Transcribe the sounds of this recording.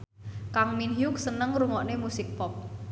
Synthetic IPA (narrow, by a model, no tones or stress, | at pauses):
kaŋminɦjuk̚sənəŋɾuŋɔʔnemusɪk̚pɔp̚